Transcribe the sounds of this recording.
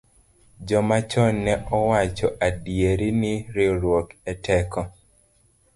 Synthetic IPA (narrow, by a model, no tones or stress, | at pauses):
d͡ʒɔmat͡ʃɔnːɛɔwat͡ʃɔʔadjeɾinɪɾɪɾwokɛtʰɛkɔ